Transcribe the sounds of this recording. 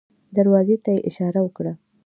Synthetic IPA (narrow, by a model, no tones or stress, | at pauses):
d̪aɾwɑzet̪ajeʔɪʃɑɾawəkɽa